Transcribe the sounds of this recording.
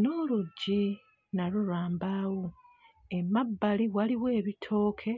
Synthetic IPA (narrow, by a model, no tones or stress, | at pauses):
noːluɟːi | naɾuɾaːmbawo | e̞mabːaliwaliwe̞ːβitʰo̞ːkʰe̞